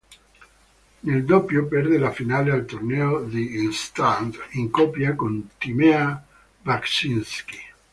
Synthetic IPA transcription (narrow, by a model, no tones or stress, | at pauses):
neld̪opːjopɛrd̪elafinaːlealt̪ornɛːod̪inst̪and̪iŋkɔpjakont̪imɛa | vaksinski̥